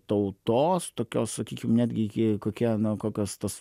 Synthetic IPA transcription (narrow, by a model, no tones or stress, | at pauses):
t̪ɐʊt̪oːst̪oːkʲoːssɐkʲiːkʲɪmnʲæːd̪ʲɡʲɪɪkoːkʲiɛnʊkoːkʲoːst̪ɐs